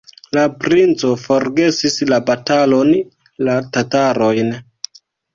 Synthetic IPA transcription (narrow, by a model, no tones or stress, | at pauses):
lapɾint͡so̞fo̞ɾɡe̞sislabatalo̞n | latataɾo̞jn